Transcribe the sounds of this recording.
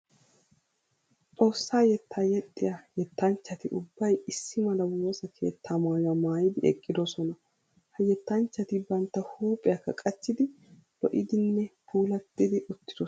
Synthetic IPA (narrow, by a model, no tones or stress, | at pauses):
t͡sʼo̞ːsːaːjɛt̪ːaːjɛt̪ʼːɪjajɛt̪ːɐnt͡ʃːɐt̪ɪʔʊbːɐjɪsːɪmɐlɐwoːsɐkʰe̞̰ːt̪ʰːamaːɡɐmaːjɪd̪ɪɛ̰kʼːɪd̪ɔsɔnɐ | hɐjɛt̪ːɐnt͡ʃːɐt̪ɪbɐnt̪ːɐhuːpʼɪjɐkːɐkʼɐt͡ʃːɪd̪ɪ | lɔ̰ʔɪd̪ɪnːɛpuːlɐt̪ːɪd̪ɪʔʊt̪ːɪd̪ɔ